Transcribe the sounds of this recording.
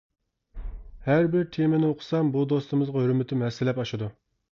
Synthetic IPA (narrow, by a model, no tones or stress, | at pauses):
hæɾbɪɾt̪ʰemɪnɪoqʰʊ̥sɑmbud̪ost̪ɨmɨzʁɑɦøɾmɪt̪ʰɪmɛsɪlɛpɑʃɨd̪u